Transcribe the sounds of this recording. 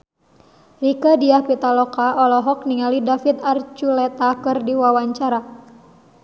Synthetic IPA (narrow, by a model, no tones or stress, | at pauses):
rikadiahpit̪alɔkaʔɔlɔɦɔk̚niŋalidafit̪art͡ʃulɛt̪akɨrdiwawaɲt͡ʃaɾa